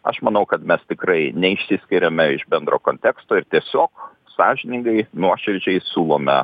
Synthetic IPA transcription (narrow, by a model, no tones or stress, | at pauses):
ɐ̰ʃmɐnɐʊkɐt̪mʲɛst̪ʲɪkɾɐɪnʲɛɪʃʲsʲɪsʲkʲɪɾʲɛmʲɛɪʃbʲɛnd̪ɾoːkoːnʲt̪ʲɛkst̪oːɪɾt̪ʲiɛsʲoːk | sɑːʒʲɪnʲɪŋɡɐɪnuɔʃʲɪɾʲd͡ʒʲɛɪsʲuːlˠoːmʲɛ̰